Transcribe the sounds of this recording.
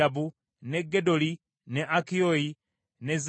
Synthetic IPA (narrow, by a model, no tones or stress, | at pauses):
abu | neɡːedoli | neʔakioji | nez